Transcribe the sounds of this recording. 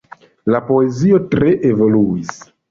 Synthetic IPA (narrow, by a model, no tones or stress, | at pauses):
lapo̞e̞zio̞tɾe̞ʔevo̞luis